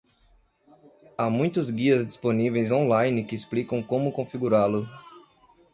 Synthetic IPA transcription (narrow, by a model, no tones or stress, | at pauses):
amũj̃t̪ʊzɡiɐzd͡ʒisponivejzõlajnɪkɪːsplikɐ̃w̃kõmʊkõfiɡuɾalʊ